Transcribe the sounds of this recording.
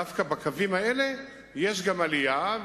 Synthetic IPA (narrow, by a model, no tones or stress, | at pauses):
afkabakʰavimae̞le̞ | jeʃɡamalija